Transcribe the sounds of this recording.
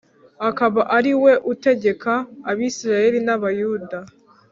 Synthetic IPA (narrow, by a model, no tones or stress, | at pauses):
akaβaʔaɾiwe̞ʔute̞ɟe̞kʰaːβisiɾajeɾinaβajuda